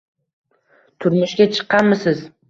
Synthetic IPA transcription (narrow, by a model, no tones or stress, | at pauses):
t̪ʰʊɾmɪʃkʲat͡ʃʰɨ̥qːɑnmɪsɪz̥